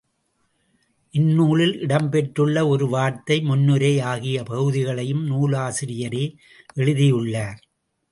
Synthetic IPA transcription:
ʔɪnːuːlɪlɪɽɐmpɛʈrɯɭːɐɔɾɯʋaːɾt̪ɐɪmʊnːɯɾeɪaːɣɪjɐpɐɣɯðɪɣɐɭɐjɯmnuːlaːsɪɾɪjɐɾe | ʔɛɻɯðɪjɯɭːaːɾ

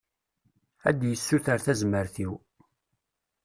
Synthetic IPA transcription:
æd̪jəsːuθəɾθæzməɾθiw

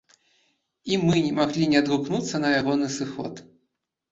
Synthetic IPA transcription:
imɨnʲɛmaɣlʲinʲɛɐd̪ɾuknut̪sːɐnɐjaɣɔnɨsɨxɔ̰t̪

